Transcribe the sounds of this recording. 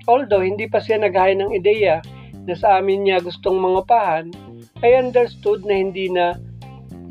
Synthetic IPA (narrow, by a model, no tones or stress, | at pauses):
ʔold̪ohɪnd̪iːpɐsɪjanɐɡhaːjɐnɐŋɪd̪ɛjɐ | nɐsɐʔaːmɪnɲaɡʊst̪oŋmɐŋʊpaːhɐn | ʔɐjʔɐnd̪ɛɾst̪ud̪̚nɐhɪnd̪iːnɐ